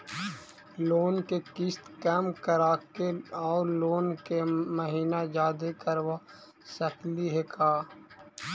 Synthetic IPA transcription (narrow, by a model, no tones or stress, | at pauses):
loːnkekɪst̪kɛːmkəɾaːkeɔːɾloːnkeməɦiːnad͡ʒaːd̪ekəɾwa | səkliɦekaː